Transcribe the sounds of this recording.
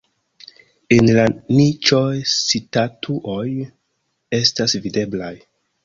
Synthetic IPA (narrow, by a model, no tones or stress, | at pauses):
enlanit͡ʃojsitatʰuʔoj | e̞stasvide̞blaj